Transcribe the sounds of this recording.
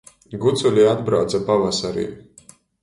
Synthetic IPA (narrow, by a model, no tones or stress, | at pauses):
ɡut̪sulʲiad̪bɾawt̪sapavasaɾḭː